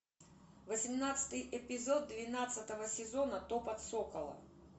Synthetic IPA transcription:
vəsʲɪmnat̪sɨ̥t̪ɨjʔɪpʲɪzo̞d̪̚ːvʲɪnat̪sət̪əvəsʲɪzo̞nət̪opɐt̪sokəlˠə̰

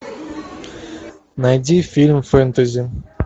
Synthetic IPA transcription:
najd̪ʲifʲilʲmfent̪azʲi

